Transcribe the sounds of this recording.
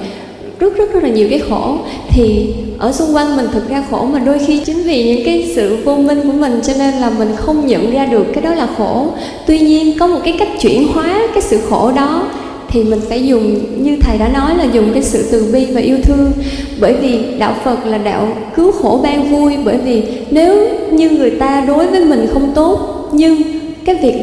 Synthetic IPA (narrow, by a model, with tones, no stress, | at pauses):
zə˦˥z̥ə˦˥t̚zə˦˥laː˨˩ɲi˨˩əwkaː˨˦jxo˧˩ | t̪ʰi˨˩ʔəː˧˩sʊ˧ŋ͡mkwa˧jŋmï˨˩ŋ̟t̪ʰɨ˨˩t̚zaː˧xo˧˩maː˨˩ɗo˧jxi˧t͡ɕï˨˦ŋ̟vi˨˩ɲɨ̰˧˥ŋkaː˨˦jsɨ̰˧˨vo˧mï˧ŋku˧˩əmï˨˩ŋ̟t͡ɕɔ˧ne˧nlaː˨˩mï˨˩ŋ̟xə˧wŋ͡mɲə̰˧˨nzaː˧ɗɨ˨˩əkːaː˨˦jɗɔ˨˦laː˨˩xo˧˩ | t̪wi˧ɲi˧ənkɔ˨˦mo˨˩t̚kaː˨˦jka˦˥jk̟̚t͡ɕwḭ˧˩ənhwaː˨˦kaː˨˦jsɨ̰˧˨xo˧˩ɗɔ˨˦ | t̪ʰi˨˩mï˨˩ŋ̟fɛ̰ː˧˥zʊ˨˩ŋ͡mɲɨ˧t̪ʰə˨˩jɗa̰ː˧˥nɔ˨˦jlaː˨˩zʊ˨˩ŋ͡mkaː˨˦jsɨ̰˧˨t̪ɨ˨˩ɓi˧vaː˨˩ʔi˧əwt̪ʰɨ˧əŋɓəː˧˩jvi˨˩ɗa̰ː˧˨wfə˨˩t̚laː˨˩ɗa̰ː˧˨w | kɨ˨˦wxo˧˩ɓaː˧ŋvu˧əjɓəː˧˩jvi˨˩ne˨˦wɲɨ˧ŋɨ˨˩əjt̪aː˧ɗo˨˦jvəː˨˦jmï˨˩ŋ̟xə˧wŋ͡mt̪o˦˥t̚ | ɲɨ˧ŋ | kaː˨˦jvi˨˩ək̚